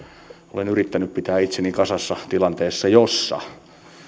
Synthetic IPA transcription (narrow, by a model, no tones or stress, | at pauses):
olenyrit̪ːænyppit̪æːit̪seniŋkɑsɑsːɑt̪ilɑnt̪eːsːɑjosːɑ̰